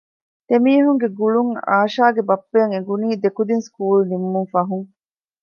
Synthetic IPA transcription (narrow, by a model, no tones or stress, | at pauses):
t̪emiːɦuŋɡeɡuɭuŋa̰ːʃaːɡebɐpːeŋeɡuniːd̪ekud̪inskuːlnimːuŋfɐɦuŋ